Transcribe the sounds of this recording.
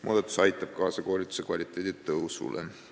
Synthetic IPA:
mo̰ːd̪ɑt̪ːˑu̥sɑjt̪ːˑɑb̥̚kɑːsɑko̞ːlʲit̪ːˑu̥se̞kvɑlʲit̪ːˑeːd̪id̪t̪ɤwsṵlḛ

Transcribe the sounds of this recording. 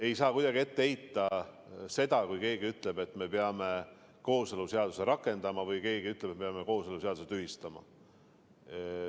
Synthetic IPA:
e̞jsɑːkujd̪̥ɑɡiet̪ːeejt̪ːˑɑ | se̞d̪̥ɑkujke̞ːɡiyt̪ːˑle̞be̞t̪ːˑme̞peɑme̞ | ko̞ːseluse̞ɑd̪̥u̥se̞ɾɑkːˑe̞nd̪̥ɑmɑvɯjke̞ːɡiyt̪ːˑle̥t̪mepeɑmeko̞ːseluseɑd̪uset̪yɦist̪ɑmɑ̰

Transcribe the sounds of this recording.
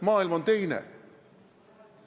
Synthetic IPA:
mɑːilmo̞nt̪e̞jnḛ

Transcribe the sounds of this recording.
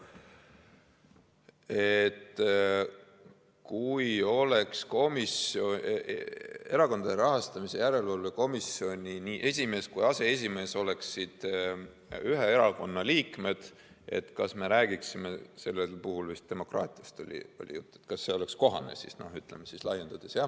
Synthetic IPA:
et̪ː | kujo̞le̞ksko̞miso̞ | e̞ɾɑko̞nd̪̥ɑd̪eɾɑɦɑst̪ɑmise̞jæɾe̞lvɑlujko̞misio̞nʲiniːʔe̞sʲime̞ːskujɑse̞es̬ʲime̞ːso̞le̞ksːid̪̥ | yɦe̞e̞ɾɑko̞nːɑliːkme̞d̪̥ | e̞̰t̪kɑsme̞ɾæːɡ̥iksime̞se̞lːelpuɦulvist̪̚d̪e̞mo̞krɑ̰ːt̪ʲˑiɑst̪o̞lʲḭo̞̰lʲḭjut̪ːˑu̥et̪kɑsːe̞o̞le̞ksko̞ɦɑ̰ne̞̰sḭsno̞̰hyt̪ːlemesislɑje̞nd̪̥ɑd̪̥esjɑ

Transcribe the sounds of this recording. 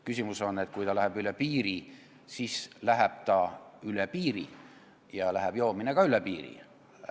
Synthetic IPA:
kysʲimuso̞nːe̞t̪̚kujt̪ɑlæhɛb̥ylepiːɾi | siːslæɦeb̥̚t̪ɑylepiːɾḭ | jɑlæɦɛb̥joːminekɑylepiːɾḭ

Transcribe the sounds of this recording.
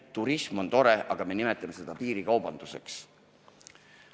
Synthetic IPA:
t̪uɾismo̞nt̪o̞ɾe̞ʔɑɡ̥ɑme̞nime̞t̪ːˑɑme̞se̞d̪̥ɑpiːɾikɑwbɑnd̪̥useks

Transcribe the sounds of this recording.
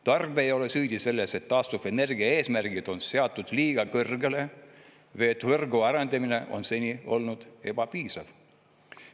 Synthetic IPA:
t̪ɑrbejo̞le̞syːd̪̥ʲise̞lːese̞t̪ːɑːst̪ufe̞ne̞rɡiɑe̞ːsmærɡ̥id̪̥o̞nse̞ɑt̪ˑːud̪̥liːɡ̥ɑkɤrɡ̥e̞le̞ | vet̪ːvɤrɡuɑɾɑnd̪ɑmine̞ʔo̞̰nse̞nʲio̞̰lnud̪̥e̞b̥ɑpiːsɑv̥

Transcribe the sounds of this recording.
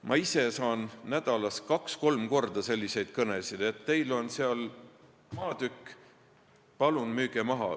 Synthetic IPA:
mʔɑ̰ise̞sɑːnːæd̪̥ɑlɑskɑksko̞lmko̞rd̪̥ɑse̞lʲːise̞jd̪̥kɤne̞sid̪̥et̪ːe̞jlo̞nseɑl | mɑːd̪ykː | pɑlunmyːɡ̥emɑɦɑ̰

